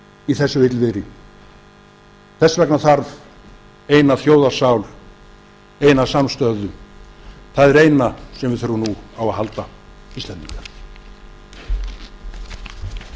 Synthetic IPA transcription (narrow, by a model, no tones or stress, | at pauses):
iθɛsːʏvɪt̪lvɪɾɪ | θɛsvɛknaθaɾv | eːjnaθjoːwðḁsaːwl | ejnasamst̪œðʏ | θaðɛɾeːjnasɛmvɪðθœɾvʏnuawaðɦal̪t̪a | ist̪lɛnd̪iŋkḁ